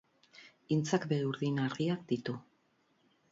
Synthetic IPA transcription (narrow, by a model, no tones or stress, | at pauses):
int͡sakbeɾuɾðinaɾðiak̚d̪it̪u